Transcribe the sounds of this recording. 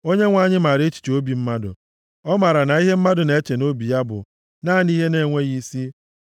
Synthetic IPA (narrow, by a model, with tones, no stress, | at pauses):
o˦ɲe˦ŋʷa˦˨ɲɪ˦ma˨ɾe˦t͡ʃi̥˨t͡ʃo˦bi˨m̩˦ma˦dʊ̰˨ | ɔ˦ma˨ɾa˨na˨i˦ɦe˦m̩˦ma˦dʊ˨ne˨e˦t͡ʃe˨no˦bi˨ja˦bʊ̰˨ | na˦˨ni˦ɦe˦ne˨ŋʷe˦ɣi˦si˦